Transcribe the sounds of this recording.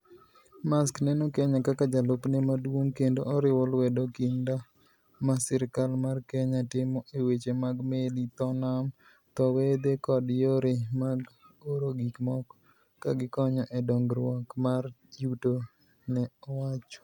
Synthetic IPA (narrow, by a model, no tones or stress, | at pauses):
masknɛnokɛɲakakad͡ʒalopnɛmadwoŋkendoʔɔɾɪwɔlwɛdokɪnda | masɛɾkalmarkɛɲatɪmɔʔewet͡ʃemaɡmelit̪ɔnam | t̪ɔwed̪ekɔdjoɾemaɡ | oɾoɡikmɔkː | aɡɪkɔɲɔʔɛdɔŋɡɾwɔkmard͡ʒuto | nɛɔwat͡ʃɔ̥